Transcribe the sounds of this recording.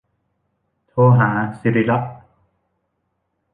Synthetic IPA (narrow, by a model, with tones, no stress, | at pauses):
t̪ʰoː˧ɦaː˩˦si˧ɾi˦la˦˥ʔ̚